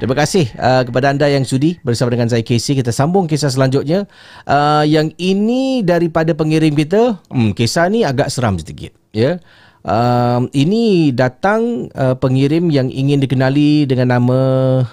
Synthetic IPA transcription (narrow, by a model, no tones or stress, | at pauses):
t̪ɾiməkasɪhəkəpadaːndajaŋsudihbərsamadəŋans̬ajakesikit̪əsambʊŋkesas̬əlaɲd͡ʒʊt̪̚ɲa | ʔəjaŋinidaɾipadapəŋiɾɪmkit̪̬əkesaniaɡaʔsəɾa̰msit̪ikɪ̰t̪̚jə | ʔəminidat̪aŋəpəŋiɾɪmjaŋḭŋɪndikənalidəŋãnːamə̃